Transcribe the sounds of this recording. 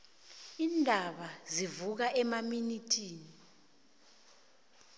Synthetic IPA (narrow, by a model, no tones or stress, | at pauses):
iːndʱaɓazivuk̬aʔɛmaminitʰʼiːni